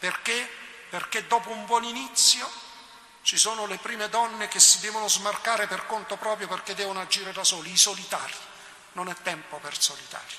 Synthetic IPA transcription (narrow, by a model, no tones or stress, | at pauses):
perkeperk̟ed̪ːɔːpouɱbwɔninit̪sːjo | t͡ʃisoːnolepɾiːmed̪ɔnːek̟esːid̪ɛːvonozmarkaːɾeperkont̪opɾɔːpɾjoperk̟ed̪ːɛːvonoad͡ʒiːɾed̪asɔːliːsolit̪a̰ːɾji | nonɛt̪ːɛmpopersolit̪a̰ːɾi